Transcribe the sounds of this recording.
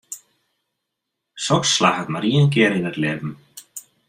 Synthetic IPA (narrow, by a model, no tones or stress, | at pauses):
sɔksːlaːhat̪maɾiːjanc̬ɛːɾinaɾlɛːvʏm